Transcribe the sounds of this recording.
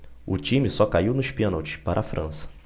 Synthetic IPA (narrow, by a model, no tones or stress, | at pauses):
ʊ̰t͡ʃĩmisɔkaiwnʊʃpẽnowt͡ʃɪ̥paɾʔɐafɾʔɐ̰̃sɐ̥